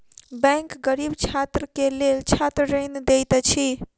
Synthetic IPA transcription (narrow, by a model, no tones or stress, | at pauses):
bɛ̃ŋkɡəɾibt͡ʃʰat̪ɾəkelelt͡ʃʰat̪ɾəɾənd̪ejt̪t͡ʃʰi